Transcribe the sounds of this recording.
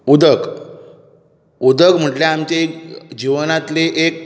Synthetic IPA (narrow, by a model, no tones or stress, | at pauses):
ud̪ək | ud̪əkm̤əʈljaamt͡ɕaekd͡ʑiʋnat̪leʔek̚